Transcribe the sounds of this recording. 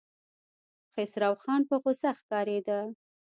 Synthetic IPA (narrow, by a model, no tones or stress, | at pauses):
xɪsɾɑwxɑnpəɣosaxkɑɾed̪a